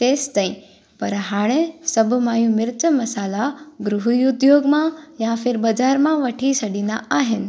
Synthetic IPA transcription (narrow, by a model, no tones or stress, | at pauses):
t̪eːst̪aːĩ | pɐɾɦaːɽ̃esɐbʱʊ̆mãːjũmɪɾt̪əmɐsaːlaɡɾʊɦuiʊd̪joːɡmãjãfʰɪɾbɐd͡ʑaːɾmãʋɐʈʰisɐɗĩːnd̪a̰aːɦɪnɪ̆